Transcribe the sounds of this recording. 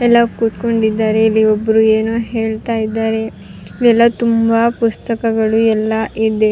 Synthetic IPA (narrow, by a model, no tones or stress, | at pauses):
ɛlːɐkuːt̪ko̞ɳɖid̪ːaːɾe̞ilːiobːɐɾuːeːnuɦeːɭt̪aːjid̪ːaːɾe̞ | iliɛlːɐt̪umbapust̪ɐkɐɡɐɭuɛlːɐʔid̪e̞